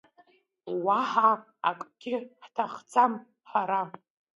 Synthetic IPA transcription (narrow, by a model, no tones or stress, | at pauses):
waħa | a̰kʼɡʲɪħtʰaχt͡sʰam | ħaɾa